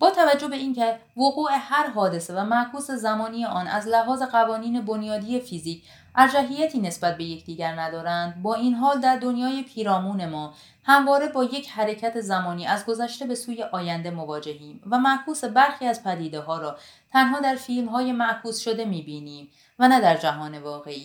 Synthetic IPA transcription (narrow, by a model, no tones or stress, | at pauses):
b̥ɒːt̪ʰævæd͡ʒːo̞be̞iːncʰe | voɣuːe̞hæɾɦɒːd̪e̞sevæmæʔkʰuːse̞zæmɒːniːjeʔɒːnæ̰zlæɦɒːze̞ɣævɒːniːne̞bo̞njɒːd̪ije̞fiziːcʰ | ʔæɾd͡ʒæɦijæt̪ʰiːne̞sbæt̪̚be̞je̞cʰd̪iːɟæɾnæd̪ɒːɾænd̪bɒːʔinɦɒːld̪æɾd̪o̞njɒːjepʰiːɾɒːmuːne̞mɒː | hæmvɒːɾe̞bɒːje̞cʰhæɾe̞cʰæt̪ʰe̞zæmɒːniːæzɡo̞zæʃt̪e̞be̞suːje̞ʔɒːjænd̪e̞mo̞vɒːd͡ʒe̞ɦiːmvæmæʔkʰuːse̞bæɾxiːæzpʰæd̪iːd̪eɦɒːɾɒː | t̪ʰænɦɒːd̪æɾfiːlmɦɒːje̞mæʔkʰuːsʃo̞d̪e̞miːbiːniːm | vænæd̪æɾd͡ʒæɦɒːne̞vɒːɣe̞ʔiː